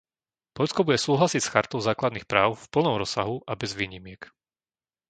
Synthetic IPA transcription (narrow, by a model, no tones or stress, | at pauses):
pɔʎskɔbuɟɛsuːɦlasicsxaɾt̪ɔʊzaːklad̪nixpɾaːʊfpl̩nɔmɾɔsːaɦuʔabɛzʋiːɲimɪɛk